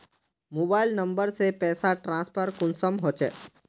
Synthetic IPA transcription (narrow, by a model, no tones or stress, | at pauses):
moːbaːɪlnɐ̃mbəɾsepɛːsaʈɾãːspʰəɾkʊnsəmɦoːt͡ʃḛː